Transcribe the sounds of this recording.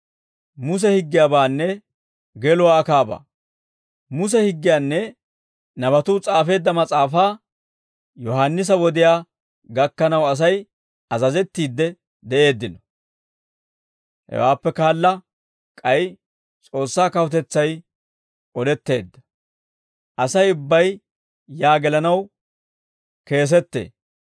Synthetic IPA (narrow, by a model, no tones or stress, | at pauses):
mʊs̬ɛhɪɡːɪjaːbaːnːɛ | ɡɛlɔwakaːba̰ː | mʊs̬ɛhɪɡːɪjaːnːɛ | nɐbɐt̪ʊt͡sʼaːfe̞ːd̪ːɐmɐt͡sʼaːfaː | jɔɦanːɪs̬ɐwɔd̪ɪjaː | ɡɐkːɐnɐwɐs̬ɐj | ɐzɐzɛt̪ːiːd̪ːɛ | d̪ɛʔe̞ːd̪ːɪnɔ | hɛ̰waːpːɛkaːlːɐ | kʼɐj | t͡sʼo̞ːsːaːkɐwʊt̪ɛt͡sːɐj | ʔɔd̪ɛt̪ːe̞ːd̪ːɐ̥ | ʔɐsɐjʊbːɐj | jaːɡɛlɐnɐw | ke̞ːs̬ɛt̪ːe̞̰ː